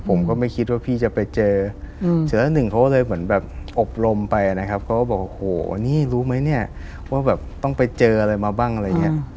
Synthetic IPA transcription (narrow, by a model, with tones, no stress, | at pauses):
pʰo˩˦mkɔː˥˩ma˥˩jkʰi˦˥waː˥˩pʰiː˥˩t͡ɕa˨˩pa˧jt͡ɕɤː˧sʰɯ˨˩˦lɛː˦˥nɯ˨˩ŋkʰa˦˥wklɤː˧jmɯ˩˦ənbɛː˨˩p̚ʔo˨˩p̚ɾo˧mpa˧jna˦˥kʰa˦˥p̚kʰa˦˥wkɔː˥˩bɔː˨˩k̚ʔo˧˩hoː˨˩˦niː˥˩ɾuː˦˥ma˦˥jni˥˩ɐ | waː˥˩bɛː˨˩p̚t̪ɔ˥˩ŋpa˧jt͡ɕɤː˧ʔa˧ɾa˧jmaː˧baː˥˩ŋʔa˧ɾa˧jːŋːi˦˥ɐ